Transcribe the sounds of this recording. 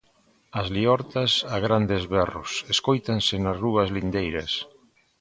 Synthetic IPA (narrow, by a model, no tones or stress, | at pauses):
ɐzliɔɾt̪asaɣɾand̪ezβɛrʊ̰seskojt̪ansɪnɐzruɐzlind̪ejɾɐs